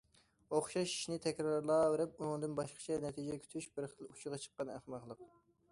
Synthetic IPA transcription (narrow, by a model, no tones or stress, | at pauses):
oχʃɑʃi̥ʃnɪt̪ʰɛkʲɾɑɾlˠɑːveɾɪp̚unɨŋd̪ɨnbɑʃqə̥t͡ʃʰɛnɛt̪ʰid͡ʒɛkʲʰy̥t̪ʰyʃbɪɾχəlˠut͡ʃʰʊʁɑt͡ʃʰə̥qːɑnæ̰χmɑχlˠəq